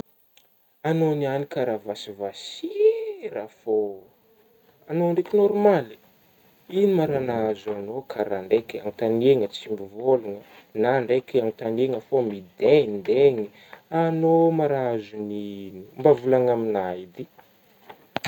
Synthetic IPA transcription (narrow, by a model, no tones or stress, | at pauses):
anonianikaɾavasivasiɾafo | anoɳɖ͡ʐekinɔɾmali | inimaɾanaazuanokʰaɾaɳɖ͡ʐekʲa̰ŋit̪aneŋət͡simbivoluŋə | naːɳɖ͡ʐekʲiamit̪aneŋəfomid̪end̪eŋi | anomaɾaazuninumbavulaŋaminaid̪i